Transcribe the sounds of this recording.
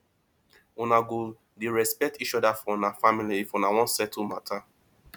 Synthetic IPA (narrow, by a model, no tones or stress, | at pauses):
unaɡo | deɹɛspɛk̚tit͡ʃɔdafɔnafamiliifɔ̃nawɔ̃nsɛtʰumatʰa